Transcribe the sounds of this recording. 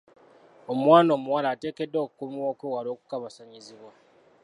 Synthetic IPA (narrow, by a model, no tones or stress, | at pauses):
o̞mwaːno̞ːmuwalaːte̞ːkedːo̞ːkukumiwoːkweːwalo̞ːku̥kaβasaɲiziβwa